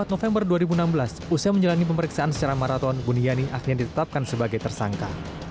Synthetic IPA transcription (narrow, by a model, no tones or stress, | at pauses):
at̪̚nofɛmbərduaɾibunambəlas | usaməɲd͡ʒalanip̬əməɾiksaʔansə̥t͡ʃaɾamaɾat̪ɔnbunianiʔaxɾiɲadit̪ət̪ap̚kansəbaɡajt̪ərsaŋka